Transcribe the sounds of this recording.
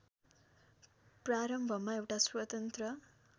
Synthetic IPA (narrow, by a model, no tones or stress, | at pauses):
praɾʌmbʱʌmaewʈaswʌt̪ʌnt̪rʌ